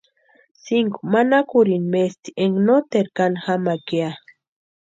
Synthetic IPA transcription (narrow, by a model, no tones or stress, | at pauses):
siŋkumanakuɾinmest̪i̥eŋɡnot̪eɾkanxamakia